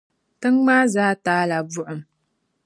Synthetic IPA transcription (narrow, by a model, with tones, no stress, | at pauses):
tɨ˦ŋmaː˦zaː˦taː˦la˨bʊ˦ʔʊ˨m